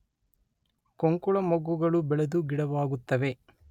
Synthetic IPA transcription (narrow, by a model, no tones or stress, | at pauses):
koŋkuɭɐmɐɡːuɡɐɭubɛɭɐd̪uɡiɽɐʋaːɡut̪ːɐʋe̞